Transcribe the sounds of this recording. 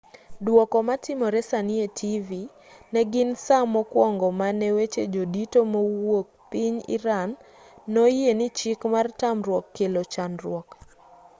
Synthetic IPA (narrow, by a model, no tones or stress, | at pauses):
dwɔkɔmatɪmɔɾɛsanietʰivi | nɛɡɪnsamɔkwɔŋɡɔmanɛwet͡ʃed͡ʒoditomowok̚piɲḭɾanː | ojenɪt͡ʃɪkmartamɾwɔkːelot͡ʃanrwɔk